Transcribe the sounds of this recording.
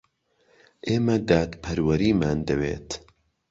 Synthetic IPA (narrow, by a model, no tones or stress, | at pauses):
ʔeːmɐd̪aːt̪pʰɐɾwɐɾiːmaːnd̪ɐwḛːt̪